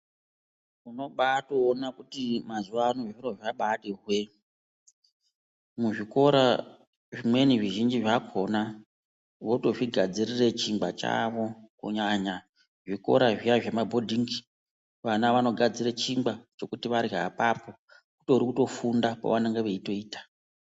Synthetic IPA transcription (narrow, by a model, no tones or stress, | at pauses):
uno̞ɓato̞ːnakutimazuʋaːnoʐiro̞ʐaɓaɗeɦwe | muʐiko̞ɾa | ʐimwe̞niʐiʒind͡ʒiʐakʰo̞na | ʋoto̞ʐiɡʱad͡zirire̞t͡ʃiŋɡ͡bat͡ʃa̰ʋo̞kṵɲaɲa | ʐiko̞̰ɾaʐijaʐe̞mabʱo̞dʱiŋɡi | ʋanaʋano̞ɡʱad͡ziret͡ʃimbat͡ʃo̞kutiʋaɾiɦa̰papo̞ | kutoɾikuto̞fundapa̰ʋanaŋɡeʋeito̞iːtḁ